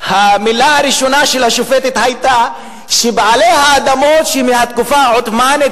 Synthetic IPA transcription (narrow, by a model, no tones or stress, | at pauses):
hamilahaɾiʃonaʃelhaʃufet̪hit̪hajt̪a | ʃebʕalehaːd̪amot̪ʃemehat̪̚kufaʕot̪mane